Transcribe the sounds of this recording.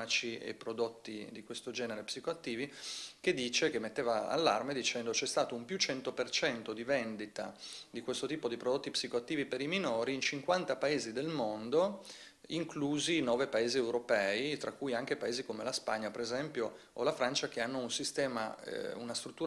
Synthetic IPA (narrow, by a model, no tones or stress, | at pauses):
at͡ʃiḛpɾod̪ot̪ːid̪ikwest̪od͡ʒɛːneɾepsikoat̪ːiːvik̟ed̪ːiːt͡ʃekemet̪ːeːvaa̰lːa̰rmed̪it͡ʃɛnd̪ot͡ʃɛst̪aːt̪oumpjut͡ʃɛnt̪opert͡ʃɛnt̪od̪ivend̪it̪a̰d̪ikwest̪ot̪iːpod̪ipɾod̪ot̪ːipsikoat̪ːiːvipeɾiminoːɾiːnt͡ʃiŋkwant̪apaeːzid̪elmond̪o | iŋkluːzinɔːvepaeːziewɾopɛːit̪ɾakːuːjaŋk̟epaeːzikomelaspaɲːapeɾezɛmpjo | olafɾant͡ʃakeanːounsist̪ɛːma̰ṵnast̪ɾut̪ːuː